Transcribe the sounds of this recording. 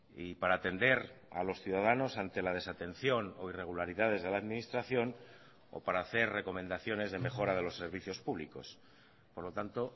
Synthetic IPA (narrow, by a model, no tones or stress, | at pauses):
ipaɾaːt̪e̞nd̪e̞ɾa̰lo̞sθjuðað̞ano̞sant̪e̞lað̞e̞sat̪e̞n̟θjo̞no̞ire̞ɣ̞ulaɾiðað̞e̞zðe̞laːðmĩnist̪ɾaθjo̞n | o̞̰paɾaːθe̞ɾre̞ko̞mẽnd̪aθjo̞ne̞zð̞e̞me̞xo̞ɾað̞e̞lo̞sːe̞ɾβiθjo̞spuβliko̞s | po̞ɾlo̞t̪ant̪o̞